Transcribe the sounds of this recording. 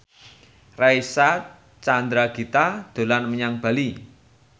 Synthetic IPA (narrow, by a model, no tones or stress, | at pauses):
rajsa | t͡ʃand̪ɾaɡ̥i̤t̪ad̪̥o̤lanməɲaŋb̥a̤li